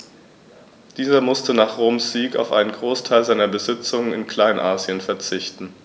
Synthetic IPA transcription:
d̥iːzɐmʊstənaːχʁoːmsz̥iːka̰ʊfʔa̰ɪnənɡʁoːstʰaɪlzaɪnɐbəzɪt͡sʊŋənɪnkʰl̥aɪnʔaːzjənfɛɐt͡sɪçtn̩

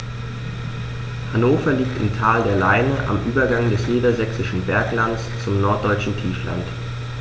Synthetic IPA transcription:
hanoːfɐliːk̚tɪmtʰaːldeːɐlaɪnəʔa̰mʔyːbɐɡaŋdɛsniːdɐzɛksɪʃn̩bɛɐklandst͡sʊmnɔɐt̚d̥ɔʏt͡ʃn̩tʰiːfla̰nt

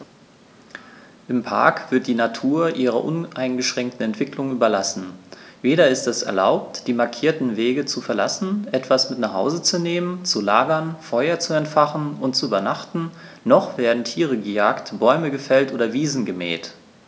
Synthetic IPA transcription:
ʔɪmpʰa̰ɐkv̥ɪɐt̚d̥iːnatʰuːɐʔiːʁ̞ɐ̰ʔʊnʔaɪnɡəʃʁ̥ɛŋk̚tn̩ɛntv̥ɪklʊŋyːbɐlasn̩veːɾɐɪstɛsɛ̰ɐla̰ʊp̚td̥iːmaɐkʰiːɐtn̩veːɡət͡sufɛɐla̰sn̩ʔɛtv̥asmɪtnaχha̰ʊzət͡suneːmənt͡sulaːɡɐnfɔʏɐt͡suɛntfaχn̩ʊnt̚t͡suyːbɐnaχtn̩ | nɔχv̥eːɐdn̩tʰiːʁ̞əɡəjaːktb̥ɔʏməɡəfɛltʔoːdɐviːzn̩ɡəmɛ̰ːt

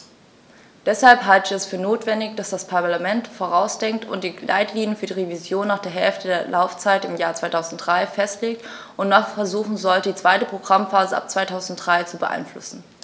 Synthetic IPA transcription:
d̥ɛshalpɦaltəçɛsfyːɐnoːtv̥ɛndɪçd̥asd̥aspʰaɐlamɛntfoːʁ̞aʊsd̥ɛŋk̚tʊ̰nt̚d̥iːla̰ɪtliːnjənfyːɐdiʁevizjoːnːaːχd̥eːɐɦɛlftədeːɐlʔaʊft͡saɪtɪmjaːɐt͡sv̥aɪtʰaʊzn̩td̥ʁaɪfɛstleːk̚t | ʔʊntnɔχfɛɐzuːχn̩zɔlədiːt͡sv̥aɪtəpʁ̥oɡʁamfaːzəʔa̰p̚t͡sv̥aɪtʰaʊzn̩t̚d̥ʁaɪt͡subəʔa̰ɪnflʊ̰sn̩

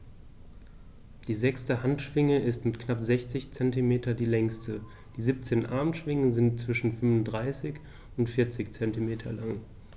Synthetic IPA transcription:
d̥iːzɛkstəhantʃv̥ɪŋəɪstmɪtknapzɛçt͡sɪçt͡sɛntimeːtɐdiːlɛŋstʰə | d̥iːziːp̚t͡seːnʔaɐmʃv̥ɪŋəzɪntt͡sv̥ɪʃn̩fʏmvʊndʁaɪsɪç | ʊntfɪɐt͡sɪçt͡sɛntimeːtʰɐlaŋ

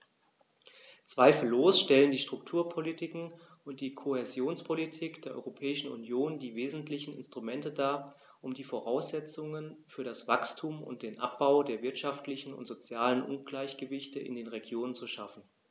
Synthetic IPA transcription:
t͡sv̥aɪfl̩ːoːsʃtɛləndiːʃtʁ̥ʊktʰuːɐpʰolitʰɪkŋ̩ | ʔʊnt̚d̥iːkʰohezjoːnspʰolitʰiːkd̥eːɐʔɔ̰ʏʁopʰɛːɪʃn̩ṵnjoːndiːveːzn̩tʰlɪçn̩ɪ̰nstʁ̥umɛntədaː | ʔʊmdiːfoʁaʊsz̥ɛt͡sʊŋənfyːɐɾasv̥akstʰuːmʊ̰nt̚d̥eːnʔa̰p̚b̥aʊdeːɐvɪɐtʃaftlɪçn̩ʊ̰ntz̥ot͡sjaːlənʔʊ̰nɡ̥laɪçɡ̥əvɪçtəʔɪ̰ndeːnʁeɡjoːnənt͡suʃafn̩

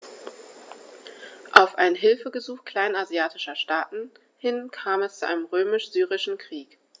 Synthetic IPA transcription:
ʔaʊfʔaɪnɦɪlfəɡəzuːxkl̥aɪnazjaːtʰɪʃɐʃtaːtn̩ | hɪnkʰaːmɛst͡suʔa̰ɪnəmʁøːmɪʃz̥yːʁɪʃn̩kʁ̥iːk

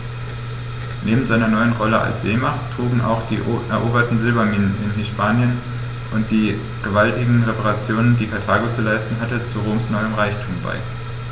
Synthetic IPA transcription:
neːbm̩zaɪnɐnɔʏənʁɔləʔa̰lsz̥eːmaχttʁ̥uːɡŋ̩ʔa̰ʊxd̥ḭːʔɛɐʔoːbɐtn̩zɪlvamiːnənɪnɦɪspʰaːnjən | ʔʊnt̚d̥iː | ɡ̥əvaltɪɡŋ̩ʁepaʁat͡sjoːnəndiːkʰaɐtʰaːɡot͡sulaɪstn̩ɦatət͡suʁoːmsnɔʏəmʁaɪçtʰuːmba̰ɪ

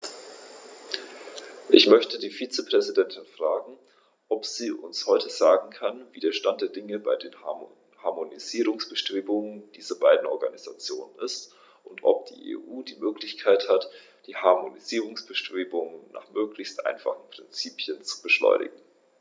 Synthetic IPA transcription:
ʔɪçmœçtədiːfiːt͡səpʁ̥ɛzidɛntɪnfʁ̥aːɡŋ̩ | ʔɔpz̥iːʔʊ̰nshɔʏtəzaːɡŋ̩kʰanviːdeːɐʃtant̚d̥eːɐdɪŋəbaɪdeːn | haɐmoniziːʁ̞ʊŋsb̥əʃtʁ̥eːbʊŋənd̥iːzɐbaɪdn̩ɔɐɡaniza̰t͡sjoːnənɪst | ʔʊntʔɔ̰p̚d̥ḭːʔḛːʔuːdiːmøːklɪçkʰaɪthat | d̥iːhaɐmoniziːʁ̞ʊŋsb̥əʃtʁ̥eːbʊŋənna̰ːχmøːklɪçstʔa̰ɪnfa̰χn̩pʁ̥ɪnt͡siːpʰjənt͡su̥bəʃlɔ̰ʏnʔɪ̰ɡŋ̩

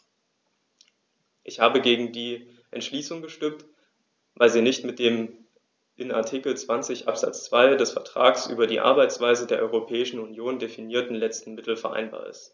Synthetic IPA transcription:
ʔɪçhaːbəɡeːɡŋ̩diː | ʔɛ̰ntʃliːsʊŋɡəʃtʏmt | vaɪlziːnɪçtmɪt̚d̥eːm | ʔɪna̰ɐtʰikl̩t͡sv̥ant͡sɪçʔa̰pz̥a̰t͡st͡sv̥aɪdɛsfɛɐtʁ̥a̰ːksʔy̰ːbɐdiːʔa̰ɐbaɪt͡sv̥aɪzədeːɐʔɔʏʁopʰɛːɪʃn̩unjoːndefiniːɐtn̩lɛt͡stn̩mɪtl̩fɛɐʔa̰ɪnba̰ːɐɪ̰st

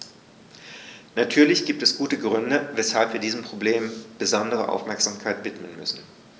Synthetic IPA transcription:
natʰyːɐlɪçɡ̥iːp̚tɛsɡ̥uːtəɡʁʏndəvɛshalpviːɐdiːzəm̩pʁ̥obleːmb̥əzɔndəʁə̰ʔa̰ʊfmɛɐkz̥aːmkʰaɪtv̥ɪtmənmʏ̰sn̩

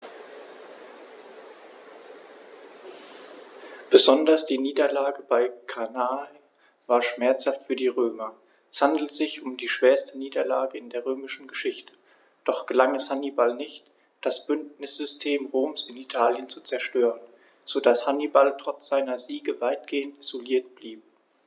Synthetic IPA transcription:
b̥əzɔndɐsd̥iːniːdɐlaːɡəbaɪkʰanaːl | vaːɐʃmɛɐt͡shaftfyːɐdiːʁøːmɐ | ɛshandl̩tz̥ɪçʊmdiːʃv̥eːɐstəniːdɐlaːɡəɪndeːɐʁøːmɪʃn̩ɡəʃɪçtə̥ | d̥ɔχɡ̥əlaŋɛshanibalnɪçt | d̥asb̥ʏntnɪsz̥ʏstʰeːmʁoːmsɪnitʰaːljənt͡sut͡sɛɐʃtøːʁən | z̥odashanibaltʁ̥ɔt͡sz̥aɪnɐziːɡəvaɪt̚ɡ̥eːəntʔiz̥oliːɐtb̥liːp̚

